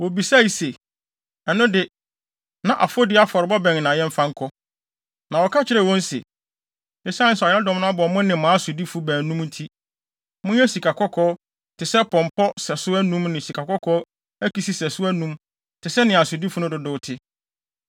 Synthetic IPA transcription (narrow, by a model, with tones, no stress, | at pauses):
wo˨bi˨sa˦i˨se˨ | ɛ˨nʊ̃˦dɪ˦ | nã˨ʔa̰˨fo˦dɪ˦a˦fɔ˨ɾɪ˨bɔ˦bɛ̃˨ŋ˨nã˨jɛ̃˦m̩˦fã˦ŋ̩˦kʰɔ˦ | nã˨wɔ˨kʰa˦t͡ɕʰɪ˦ɾɛ˨wɔ̃˦n̩˦sḛ˨ | ɛ˦sa˦nɪ̃˦sɛ˨ɛ˨˦ã˦dɔ̃˦mnʊ̃˦a˦bɔ˨mʊ̃˦nɪ̃˨mãː˨˦sʊ˨di˦fʊ˨bæ̃ː˨nũ˦mn̩˦tʰi˦ | mʊ̃˦ɛ˦si˨kʰa˨kʰɔ˦kʰɔː˦ | tʰɪ˨sɛ˦pʰɔ̃˨mpʰɔ˦sɛ˨sʊ˦æ˦nũ˦mnɪ̃˨si˨kʰa˨kʰɔ˦kʰɔː˦ | æ˦kʰi˨si˦sɛ˨sʊ˦æ˦nũ˦m | tʰɪ˨sɛ˦nɪ̃˨a˨sʊ˨di˦fʊ˨˦nʊ̃˦dʊ˨dʊ˨˦tʰɪ˦